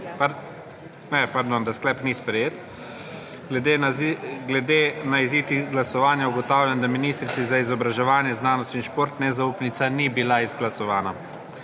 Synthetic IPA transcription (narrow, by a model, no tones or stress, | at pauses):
pa | nɛpaɾd̪ond̪asklɛpnispɾɛjeːt̪ | ɡlɛd̪eɡlɛd̪enaiziːt̪iɡlasɔʋaːnjauɡɔt̪aːwljand̪aminiːst̪ɾit̪sizaizɔbɾaʒɛʋaːnjɛznaːnɔst̪inʃpoːɾt̪nɛzauːpnit̪sanibilaizɡlasɔʋaːna